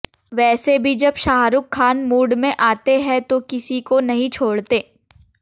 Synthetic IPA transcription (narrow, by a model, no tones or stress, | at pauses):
ʋɛːsebʱid͡ʒɐbʃaːɦɾʊkʰːaːnmuːɖmẽʔaːt̪eɦɛ̃t̪okɪsikonɐɦĩt͡ʃʰoːɽt̪eː